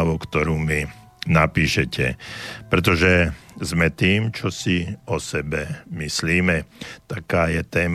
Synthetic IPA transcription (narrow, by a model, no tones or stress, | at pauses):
aʋukt̪ɔɾuːmi | napiːʃɛcɛ̰pɾɛt̪̬ɔʒɛzmɛt̪iːmt͡ʃɔsiɔsɛbɛmisliːmɛt̪akaːjɛt̪ɛːm